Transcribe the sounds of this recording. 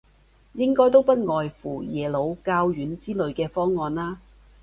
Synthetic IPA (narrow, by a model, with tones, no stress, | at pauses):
jɪ˥ŋkɔː˥jt̪̬o˥wpɐ˥t̚ŋɔː˨jfuː˨˩jɛː˨˩lo˨˧wkaː˧wjyː˨˥nt͡siː˥lɵ˨˧ɥkɛː˧fɔː˥ŋːɔː˨˧nlaː˥